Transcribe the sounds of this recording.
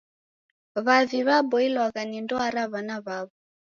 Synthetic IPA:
βaviβabɔilwaɣanindɔaɾaβanaβaβɔ

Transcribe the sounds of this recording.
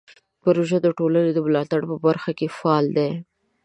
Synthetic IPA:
pəɾoʒad̪əʈolaned̪əmlɑt̪aɽpəbaɾxakefaːld̪e

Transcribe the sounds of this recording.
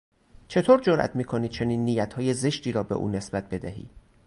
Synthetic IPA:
t͡ʃʰe̞t̪ʰoːɾd͡ʒoɾʔæ̰t̪ʰmiːkʰoni̥ːt͡ʃʰe̞niːnːiːjæt̪ʰhɒːjeze̞ʃt̪iːɾɒːbe̞̰ʔṵːne̞sbæt̪̚be̞d̪æɦḭː

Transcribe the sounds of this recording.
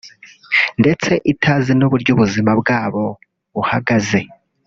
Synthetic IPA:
nde̞t͡se̞ʔitʰazinuβuɾɟuβuzimabɡaːβo̞ | βuhaɡaze̞

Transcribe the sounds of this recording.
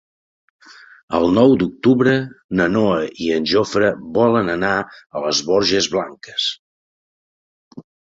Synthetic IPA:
ə̰lˠnɔwd̪uk̚t̪uβɾənənoəiənʲʒofɾəβɔlənənaələzβɔɾʒəzβlaŋkəs

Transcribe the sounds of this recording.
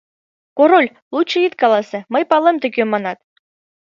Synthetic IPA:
koɾolʲ | lˠut͡ɕːɤ̆it̪kɑlˠɑsĕmɤjpɑlˠĕmt̪ɘ̆kʲømɑnɑt̪̚

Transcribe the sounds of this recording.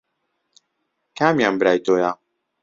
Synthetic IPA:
kamijambɾajt̪oːja

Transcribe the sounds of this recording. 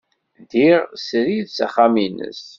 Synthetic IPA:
ðiʁsɾiðsæχaminə̰s

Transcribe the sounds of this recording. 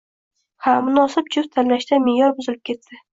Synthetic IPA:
hamʊnɒsɪp̚d͡ʒʰʊft̪ʰanlaʃd̪amɪjɒɾbʊzɪlɪp̚kʲʰe̞t̪ːɪ

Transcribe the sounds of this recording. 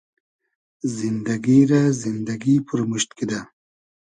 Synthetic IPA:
zind̪aɡiɾazind̪aɡipʰuɾmuʃt̪kid̪a

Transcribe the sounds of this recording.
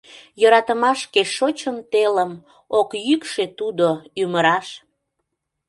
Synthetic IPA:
jəɾɑt̪əmɑʃkeʃot͡ɕəmt̪eləm | okjykʃet̪ud̪oyməɾɑʃ

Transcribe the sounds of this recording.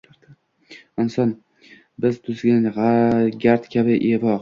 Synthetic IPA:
ɪnsɒn | bɪzt̪ʰʊzɡʲanʁaɡʲaɾt̪kʲʰabɪʔevɒq

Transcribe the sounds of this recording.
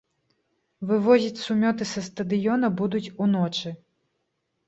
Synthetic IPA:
vɨvɔzʲit͡sʲsumʲɔt̪ɨsɐst̪ɐd̪ɨjɔnɐbud̪ut͡sʲunɔt͡ʂɨ

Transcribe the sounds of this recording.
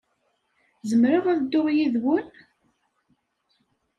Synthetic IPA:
zəmɾəʁæðəd̪ːʊʁjiðwən

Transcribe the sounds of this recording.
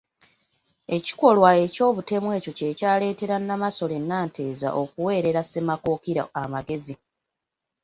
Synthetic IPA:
e̞ci̥ko̞lwae̞co̞ːβute̞mwe̞ːco̞ce̞caːle̞ːte̞ɾanːamaso̞le̞nːaːnte̞ːza̰ʔo̞kuwe̞ːɾe̞ɾase̞mako̞ːkiɾa̰ːmaɡe̞zi

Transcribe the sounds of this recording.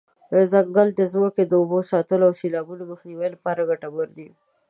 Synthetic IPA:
əzak̚ɡalt̪ezmoked̪əʊbosɑt̪əloawʃilɑbunoməxniwajlapɑɾaɡaʈabəɾd̪i

